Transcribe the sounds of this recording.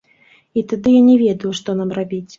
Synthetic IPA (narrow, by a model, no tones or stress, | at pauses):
it̪ad̪ɨjanʲɛvʲɛd̪ɐjuʂt̪ɔnamrabʲit͡sʲ